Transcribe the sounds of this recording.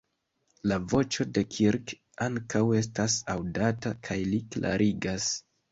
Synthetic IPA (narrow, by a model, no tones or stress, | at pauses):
lavo̞t͡ʃo̞de̞kʰiɾk | aŋkawe̞s̬tasawdatakʰajliklʔa̰ɾʔiɡas